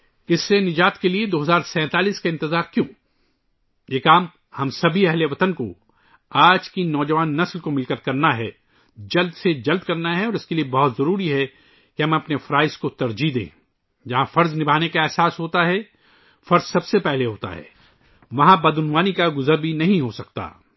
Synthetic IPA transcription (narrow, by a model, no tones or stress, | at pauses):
ɪsːenɪd͡ʒaːt̪kelied̪oːɦɐzaːɾsɛ̃ːt̪aːliːskaɪ̃nt̪ɪzaːɾkjõː | jeːkaːm | hɐmsɐbʱiɛɦleʋɐt̪ənko | aːd͡ʒkinɔːd͡ʒɐʋaːnːɐslkomɪlkəɾkɐɾnaɦɛ | d͡ʒɐld̪sed͡ʒɐld̪kɐɾnaɦɛɔːɾɪskeliebɔɦʊt̪zɐɾuːɾiɦɛ | kiɦɐ̃mɐpnefɾaːɪskot̪ɐɾd͡ʒid̪ḛ̃ː | d͡ʒɐɦãfɐɾznɪbʱaːnekaɛːsaːsɦoːt̪aɦɛ | fɐɾzsɐbsepɛɦleɦoːt̪a̰ɦɛ̰ː | ʋɐɦãbɐd̪ʊnʋaːnikaɡʊzəɾbʱinɐɦĩɦosɐk̚t̪a̰ː